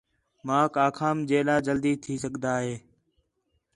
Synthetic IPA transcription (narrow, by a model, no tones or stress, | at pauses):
mãːkaːkʰaːmd͡ʒeːlãːd͡ʒəld̪iːt̪ʰiːsəɠd̪aːɦeː